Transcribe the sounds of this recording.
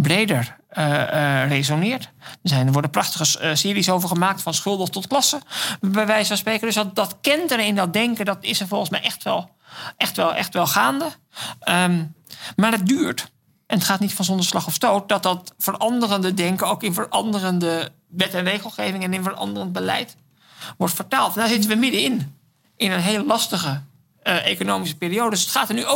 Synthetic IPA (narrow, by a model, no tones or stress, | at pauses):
brejdəɹ | rezonɪːɹtəzɛnəʋɔɹdəprɑχtəχəsɪːɾisowvəɹχəmaːk̚tfɑnsχɵlˠdəχtɔtklɑsəbɛʋɛjsɛsprejkəɹdɵsdɑtkɛntərɪndɑt̚dɛŋkədɑtɪsəvɔlˠχənsmɛjʔɛχtʋɛlˠ | ʔɛxtʋɛlˠʔɛ̰χtʋɛlˠχaːndə | ə | maːɹət̚dyːɹt | ʔɛnətχaːtnitfɑnzɔndəɹslɑχɔfstowt̚dɑt̚dɑtfəɹɑndərəndədɛŋkənowkɪnvəɹʔɑndərəndə | ʋɛtɛnrejχəlˠχejvɪŋɛnɪnvəɹɑ̰ndərənt̚bəlɛ̰jt | ʋɔɹtfəɹtaːlˠtɛndaːɹzɪtənʋəmɪdəɪn | ʔɪnənɦeːləlɑstəχə | ʔejkonowmis̬əpiːɾiowdədsə̥tχaːtəɹnyo